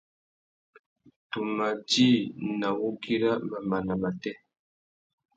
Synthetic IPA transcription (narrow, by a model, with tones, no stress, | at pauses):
tu˨ma˨d͡ʒi˦˨na˨wu˦ki˦ɾa˦ma˨ma˨na˨ma˨tɛ˦